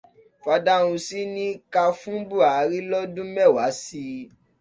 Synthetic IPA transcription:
fa˧da˧ũ˧si˦nĩ˦ka˧fũ˦bu˦˨a˨ɾi˦lɔ˦dũ˦mɛ˦˨wa˨˦si˧˦

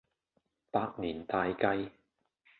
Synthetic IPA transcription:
paː˧k̚niː˨˩nt̪aː˧jkɐ˧j

